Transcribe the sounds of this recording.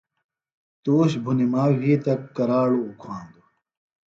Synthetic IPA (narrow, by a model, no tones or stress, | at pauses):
t̪oːɕbʱunimaːwiːt̪ɐkːɐɾaːɭoːkʰwãːnd̪u